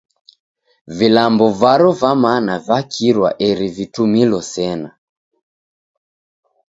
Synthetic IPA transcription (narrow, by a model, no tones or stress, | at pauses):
vilambɔvaɾɔvamanavakʰiɾwa̰ʔɛɾivitumilɔsɛna